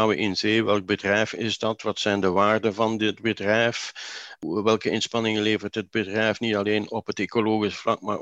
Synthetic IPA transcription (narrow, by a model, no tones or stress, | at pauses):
awəʔɪnzeːʋɛlˠɡ̚bədrɛjfɪzdɑtʋɑtsɛjndəʋaːrdəvɑndɪd̚bədrɛjf | ʋɛlˠkəɪnspɑnɪŋəleːvərtɦəd̚bədrɛjfnitɑleːnɔpɦəteːkoloːɣisflɑk̚ma̰ː